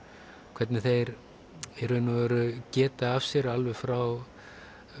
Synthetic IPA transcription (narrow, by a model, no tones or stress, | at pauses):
kʰvɛt̪nɪθejɾ | ɛɾʏnaɛɾʏcɛːt̪aːfsjɛɾalvɛfɾaw